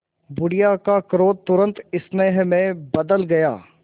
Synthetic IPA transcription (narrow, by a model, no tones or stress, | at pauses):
bʊɽɪjaːkakɾoːt̪t̪ːʊɾə̃nt̪ɪsneɦmẽbɐd̪əlɡɐjaː